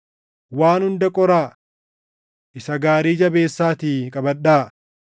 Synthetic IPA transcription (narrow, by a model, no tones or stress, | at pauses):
waːnhʊnd̪ɐkʼɔɾaː | ʔɪsɐɡaːɾiːd͡ʒɐbe̞ːsːaːt̪iːkʼɐbɐᶑaː